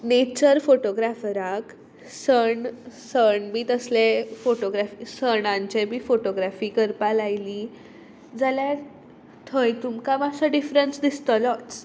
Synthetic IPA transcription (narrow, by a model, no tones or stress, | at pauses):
net͡ɕəɾfoʈoɡɾafɾak | səɳsəɳbiːt̪əslefoʈoɡɾafisəɳ̃ãɲt͡ɕebʱiːfoʈoɡɾafiːkəɾpalajli | d͡zalja | t̪ʰəjt̪umkamasaɖifɾənsd̪ist̪əlɔt͡s